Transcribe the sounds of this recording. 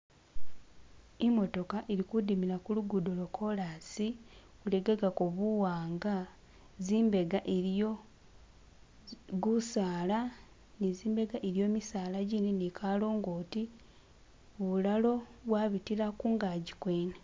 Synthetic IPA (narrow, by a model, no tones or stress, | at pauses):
emo̞to̞kaʔeɾikudimilakuluɡudolo̞kʰo̞lasi | uleɡaɡakoβuwaːŋɡa | ziːmbe̞ɡaʔeɾjo | ɡusaːla | niziːmbe̞ɡaʔeɾjo̞ːmisaːlaɟininekʰalo̞ːŋɡoːti | βulalo̞βwaβitilakuŋɡaɟikweːne